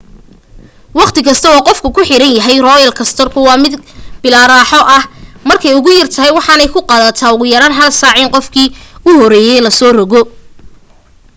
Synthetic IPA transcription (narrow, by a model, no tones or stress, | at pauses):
wɑqt̪ʰɪkʰɐst̪ʰɐɑːqɔfkʰʊkʰʊħɪɾɐnjɐɦɛjrɔːjɐlkʰɐst̪ʰɔrkʰʊwɑːmɪd̪b̥ɪlaːɾaːħɔʔɐhmɐrkʰɛjʊɣʊjɐrt̪ʰɐɦɛjwɑħɑːnɛjkʰʊqɑːðɐt̪ʰaːʊɣʊjɐɾaːnɦɐlsaːʕiːnqɔfkʰiːʊhɔɾɛːjɛjlɐsɔːrɔɣɔ